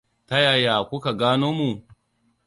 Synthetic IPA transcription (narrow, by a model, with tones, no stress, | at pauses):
ta˦ja˨ja˨kʷʊ˦ka˨ɡaː˦noː˦mu˨